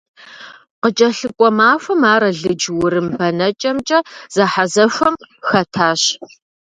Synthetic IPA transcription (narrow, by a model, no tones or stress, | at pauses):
qət͡ʃʼɐɬɨkʷʼɔmaːfʷɐmaːɾɐɮɨd͡ʒwʊɾɨmbɐnɐt͡ʃʼɐmt͡ʃʼɐz̥ɐħazɐfʷɐmxɐtʰaːɕ